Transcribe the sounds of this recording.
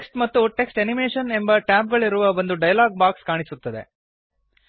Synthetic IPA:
ksʈmɐt̪ːuʈe̞ksʈenimeːʂɐne̞mbɐʈjaːp̚ɡɐɭiɾuʋɐbɐnd̪uɖɐjɐlaːɡ̚baːkskaːɳisut̪ːɐd̪e

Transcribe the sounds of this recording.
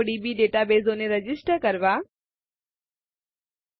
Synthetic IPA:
ɽibiɖeːʈabeːzoːneɾɐd͡ʑɪsʈəɾkɐɾʋaː

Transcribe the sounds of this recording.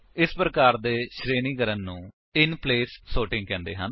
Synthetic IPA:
ɪspɾəkaːɾd̪eːʃɾeːniːkəɾənːũː | ɪnpleːsːoːʈɪ̃ŋɡ̚kɛ̃ːnd̪ḛːɦən

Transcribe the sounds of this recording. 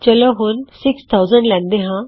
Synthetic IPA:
t͡ʃəloɦʊnsɪkst̪ʰaːʊzəɳɖlɛ̃ːnd̪eːɦãː

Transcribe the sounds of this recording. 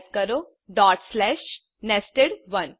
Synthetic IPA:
tkəɾoː | ɖɔːʈslɛːʃ | nɛsʈeɽʋɐn

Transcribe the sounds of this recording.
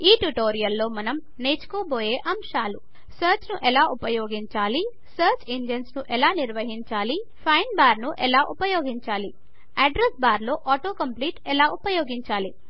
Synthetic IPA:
iːʈuʈoːɾijɐlːo̞ːmɐnɐm | neːt͡ʃu̥koːboːjeːʔɐmʃaːlu | sɐːɾt͡ʃnuʔɛlaːʔupɐjoːɡiɲt͡ʃaːli | sɐːɾt͡ʃiɲd͡ʒensnuʔɛlaːniɾʋɐɦiɲt͡ʃaːli | pʰɐjnbaːɾnuʔɛlaːʔupɐjoːɡiɲt͡ʃaːli | ɐɖɾesbaːɾlo̞ːʔːʈo̞ːkɐmpliːʈɛlaːʔupɐjoːɡiɲt͡ʃaːli

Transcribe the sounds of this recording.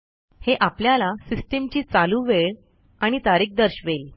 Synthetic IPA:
heʔapljalasisʈemt͡ɕiːt͡saluːʋeɭ | aɽ̃it̪aɾiːk̚d̪əɾɕʋel

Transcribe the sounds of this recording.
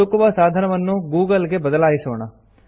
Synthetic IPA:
okoʋasaːd̪ʱɐnɐʋənːuɡuːɡəlɡebəd̪əlaːisoːɳ̃a

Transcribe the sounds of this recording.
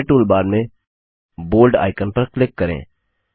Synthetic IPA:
ʈuːlbaːɾmẽ | boːlɖa̰ːɪkənpəɾklɪkːəɾḛ̃ː

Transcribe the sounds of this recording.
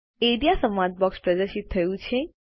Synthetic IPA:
eɽijasəmad̪̚bɔkspɾəd̪əʃit̪ʰːəjũt͡ʃʰe

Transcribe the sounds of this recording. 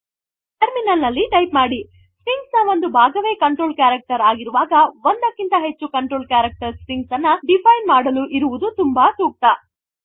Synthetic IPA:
ʈeɾminɐlnɐlːiʈɐjpmaːɽi | sɾiŋɡsɐʋond̪ubʱaːɡɐʋeːkɐɳʈɾoːlkaːɾɐk̚ʈɐɾaːɡiɾuʋaːɡɐʋond̪ɐkːint̪ɐɦe̞t͡ʃːukɐɳʈɾoːlkaːɾɐk̚ʈɐɾsɾiŋɡsɐnːɐɖipʰɐjnmaːɽɐluʔiɾuʋud̪ut̪umbɐsuːk̚t̪ɐ

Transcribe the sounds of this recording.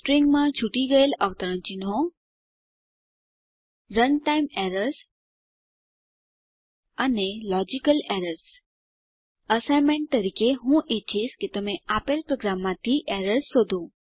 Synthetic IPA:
sʈɾiŋɡmãd͡ʑʰʱuʈiɡəeləʋt̪əɾə̃nt͡ɕinõ | ɾənʈaɪmeːɾəɾs | ənelɔd͡ʑikəleːɾəɾs | əsaɪmẽɳʈ̚t̪əɾiːkeɦũʔetʰiːskit̪əmẽapelpɾoːɡɾamːãt̪ʰiʔeɾəɾsːod̪ʱo

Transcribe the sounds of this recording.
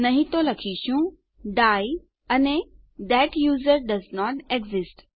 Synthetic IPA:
nɐɦĩt̪olɐkʰiʃũ | ɖaːj | ɐne | d̪ɛʈjuːzəɾɖɐznɔːʈeɡzɪsʈ

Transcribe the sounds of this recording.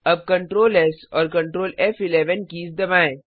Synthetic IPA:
ɐb̚kɐ̃ɳʈɾoːlɛsɔːɾkɐ̃ɳʈɾoːlɛfɪleʋənkiːsd̪ɐʋãːẽ

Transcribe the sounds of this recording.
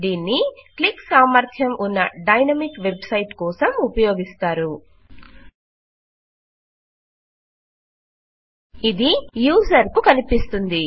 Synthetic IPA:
d̪iːnːikliksaːmɐɾt̪ʰjɐmʔunːɐ̰ɖɐjnɐmikʋe̞bsɐjʈkɔːsɐmupɐjoːɡist̪aːɾu | id̪ijuːsɐɾkukɐnipist̪und̪i

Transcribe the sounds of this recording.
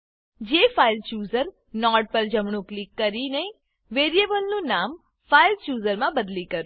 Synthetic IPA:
d͡ʒefailt͡ʃjuːzəɾ | nɔɖ̚pəɾd͡ʒəmɳ̃ũklikːəɾinəĩ | ʋeɾiebəlnũnam | failt͡ʃuːzəɾmãbəd̪likəɾũ

